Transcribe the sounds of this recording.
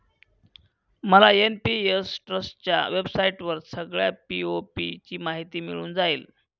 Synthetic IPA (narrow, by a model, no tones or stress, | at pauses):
məlaenpiesʈɾəsʈt͡ɕja̰ʋebsaiʈʋəɾsəɡɭjapiopit͡ɕiːmaɦit̪iːmiɭuːnd͡zaiːl